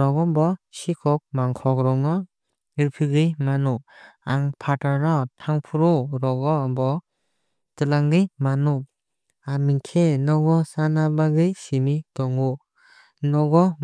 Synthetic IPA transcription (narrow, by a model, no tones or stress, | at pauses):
ɾɔɡɔmbɔsikʰɔk̚maŋkʰɔkɾɔŋɔ | iɾpʰɯɡɯjmanuaŋpʰataɾɾɔtʰaŋpʰuɾɔɾɔɡɔbɔ | tɯlaŋɡɯjmanu | amiŋkʰenɔɡɔsanabaɡɯjsimitɔŋu | nɔɡɔ